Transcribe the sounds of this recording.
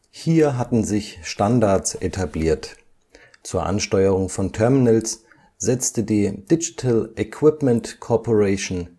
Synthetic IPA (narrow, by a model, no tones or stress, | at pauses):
hiːɐɦatn̩zɪçʃtandaɐtsʔetʰabliːɐt | t͡suːɐʔa̰nʃtɔʏəʁ̞ʊŋfɔntʰɛɐmɪnəls | z̥ɛt͡stədiːd̥ɪd͡ʒi̥tʰəlʔɛkʰw̥ɪpmɛntkʰɔpʰoʁɛʃon